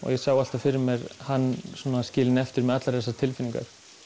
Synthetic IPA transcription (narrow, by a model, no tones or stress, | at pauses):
ɔ̰ɣjɛsaɣwalt̪afɪɾɪmjɛɾhanːsɔːnascɪːlɪnɛft̪ɪɾmɛðat̪laɾðɛsːat̪ʰɪlfɪniŋka̰ɾ̥